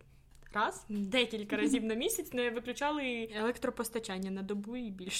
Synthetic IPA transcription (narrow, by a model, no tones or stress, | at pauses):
rɑz̥d̪ɛkʲilʲkɐɾɐzʲiwnɐmʲisʲɐtt͡sʲnɛʋɪklʲʊt͡ʃɑlˠɪelˠɛkt̪ɾɔpɔst̪ɐt͡ʃanʲːɐnɐd̪ɔbuibʲilʲʃ